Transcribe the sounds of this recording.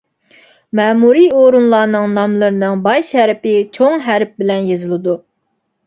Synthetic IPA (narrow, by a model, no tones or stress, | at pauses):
mɛːmuɾijoɾunlˠɑːnɨŋnɑmlˠɨɾɨnɨŋbɑjʃhɛɾɪpɪt͡ʃʰoŋɦæɾp̚bɪlɛnjezɨlˠɨd̪u